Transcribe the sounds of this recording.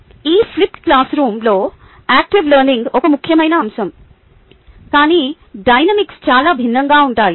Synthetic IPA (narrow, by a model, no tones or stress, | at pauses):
iːpʰlip̚ʈklaːsɾuːmlo̞ː | aːk̚ʈiʋlɐɾniŋɡɔkɐmukʰjɐmɐjnɐːmʃɐm | kaːniː | ɖɐjnɐmikst͡ʃaːlaːbʱinːɐŋɡaːuɳʈaːji